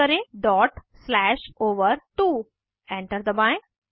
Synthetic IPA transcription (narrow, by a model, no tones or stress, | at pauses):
əɾẽɖɔʈslɛʃoːʋəɾt̪uː | ẽɳʈəɾd̪əbãj